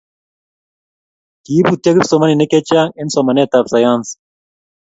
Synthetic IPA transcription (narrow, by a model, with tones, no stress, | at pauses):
ki˨˦bu˨t̪ja˦ɡi˦psɔ˨ma˦ni˨nɛ˦kɛ˦t͡ʃa˦ŋɛ˦nsɔ˨ma˨nɛ˦˨t̪a˨psa˨ja˦ns